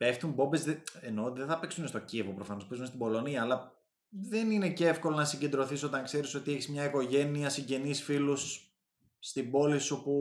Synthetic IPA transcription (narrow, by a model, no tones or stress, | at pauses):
pe̞ft̪umbo̞bezðeeno̞ot̪iðeθɐpe̞ksunest̪o̞cievo̞pɾo̞fɐnopesunest̪ibo̞lo̞niɐːlɐ | ðe̞nine̞ceefko̞lo̞nɐsiɲɟe̞nd̪ɾo̞θiso̞t̪ɐŋkse̞ɾiso̞t̪ieçizmɲɐiko̞ʝe̞niɐsiɲɟe̞nisfilusː | t̪ibo̞lisupu